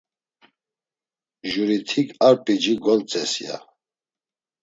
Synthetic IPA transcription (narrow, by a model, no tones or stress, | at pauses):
ʒuɾit̪ʰikʰʼaɾpʼid͡ʒiɡɔnt͡sʼɛsija̰